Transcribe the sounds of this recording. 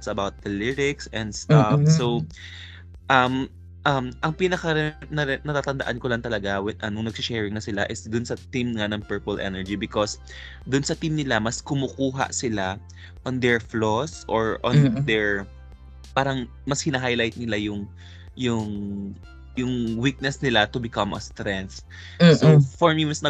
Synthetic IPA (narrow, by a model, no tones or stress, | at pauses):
t̪sɐbawt̪̚d̪ɐlɪɾɪksɛ̃nd̪st̪afsow | ʔɐm | ʔɐmʔɐŋpiːnɐkɐnɐnɐt̪aːt̪ɐnd̪ɐʔankolɐŋt̪ɐlɐɡawɛʔɐnʊŋnɐɡ̚sɪʃɛːɹɪŋnɐsɪlaʔɪsd̪ʊnsɐt̪imŋanɐŋpɛɹpɐlʔɛ̰nɛɹd͡ʒibɪkos | d̪ʊnsɐt̪imnɪlamɐskʊmʊkuːɦa̰ʔsɪla | ʔɔnd̪ɛɹflosʔoɹʔɔ̰nd̪ɛɹ | paːɾɐŋ | mɐshɪnaɦajlajt̪̚nɪlajʊŋ | jʊŋ | jʊŋwik̚nɛsnɪlat̪ʊbɪkɐmʔɐ̰st̪ɾɛns | sofɔɹmimɐsnɐ